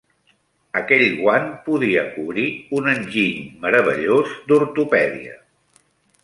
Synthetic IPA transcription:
əkɛʎɣwanpuðiəkuβɾiunənʲʒiʎməɾəβ̞ə̰ʎozd̪uɾt̪upɛðiə̰

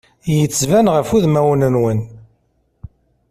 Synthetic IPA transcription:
jət͡sːvænʁəfuðmæwənənwən

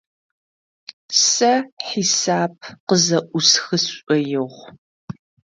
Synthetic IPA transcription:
sɐħisaːb̚qəzɐʔʷʊsxɨsɕʷʼɔjɪʁʷ

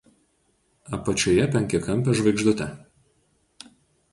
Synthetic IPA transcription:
ɐpɐt͡ʃʲoːjɛpʲɛŋʲkʲɛkɐmʲpʲɛʒʋɐɪɡʒd̪ʊt̪ʲɛ

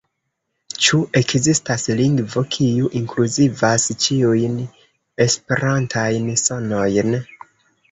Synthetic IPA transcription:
t͡ʃuʔe̞kzistasliŋɡvo̞kʰiuʔiŋkluzivast͡ʃiujn | e̞spe̞ɾantʰajnsono̞jn

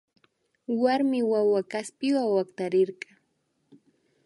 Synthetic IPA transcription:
waɾmɪwawakaspɪwawakt̪aɾɪɾɢɑ

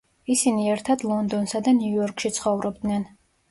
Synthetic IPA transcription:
isiniɛɾt̪ʰad̪lˠɔnd̪ɔnsad̪aniuɔɾkʰʃit̪sʰχɔvɾɔbd̪nɛn

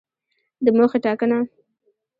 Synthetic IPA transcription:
d̪əmoxeʈɑkəna

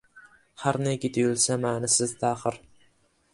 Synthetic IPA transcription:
haɾneɡʲɪd̪ʰɪjʊlˠsamaːnɪsɪzt̪ʰaχɨɾ

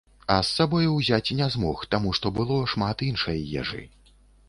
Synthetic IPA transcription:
ɐsːabɔjuwzʲat͡sʲinʲɛzmɔxt̪amuʂt̪ɔbɨlˠɔʂmat̪inʂɐjjɛ̰ʐɨ̰

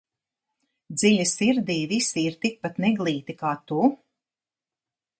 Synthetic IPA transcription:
d̪zilʲasiɾd̪iːvisiːɾt̪ik̚pat̪nɛɡlˠiːt̪ikaːt̪u

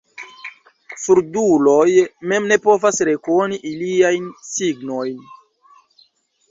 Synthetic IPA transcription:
suɾdulo̞jme̞mne̞po̞vasɾe̞ko̞niʔiliajnsiɡnojn

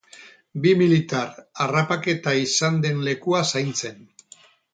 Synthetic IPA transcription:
bimilit̪aɾarapake̞t̪aisand̪e̞nle̞kuasajnt͡se̞n

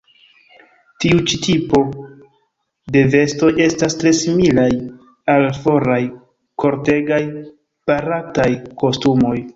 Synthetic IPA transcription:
tiut͡ʃitipo̞ | de̞ve̞sto̞je̞stastɾe̞similaj | alfo̞ɾaj | kʰo̞ɾte̞ɡaj | paɾatajko̞stumo̞j

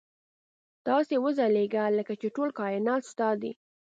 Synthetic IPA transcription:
t̪ɑsewəzaleɡaləkat͡ʃeʈolkɑjnɑt̪st̪ɑd̪ḭ

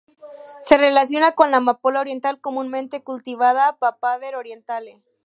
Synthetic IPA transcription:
se̞re̞lasjo̞nako̞nlamapolaoɾje̞nt̪alko̞mũnmẽnt̪ekult̪iβaðapapaβeɾoɾje̞nt̪ale

